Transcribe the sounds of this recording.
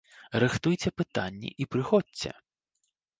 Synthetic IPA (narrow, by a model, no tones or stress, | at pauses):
rɨxt̪ujt͡sʲɛpɨt̪a̰nʲːḭʔipɾɨxɔtʲt͡sʲːɛ̰